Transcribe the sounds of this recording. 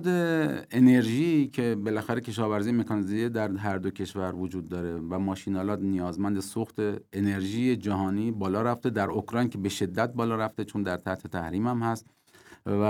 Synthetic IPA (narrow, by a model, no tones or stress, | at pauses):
d̪eene̞ɾʒicʰe̞be̞læxæɾe̞cʰe̞ʃɒːvæɾzijeme̞kʰɒnizided̪æɾɦæɾd̪ocʰe̞ʃvæɾvod͡ʒuːd̪ːɒːɾe̞væmɒːʃiːnɒːlɒːt̪nijɒːzmænd̪e̞soxt̪eene̞ɾʒiːjed͡ʒæɦɒːniːbɒːlɒːɾæft̪e̞d̪æɾokɾɒjncʰe̞be̞ʃe̞d̪ːæt̪̚bɒːlɒːɾæft̪e̞t͡ʃʰond̪æɾt̪ʰæht̪he̞t̪ʰæ̰hɾiːmæmhæst̪ | væ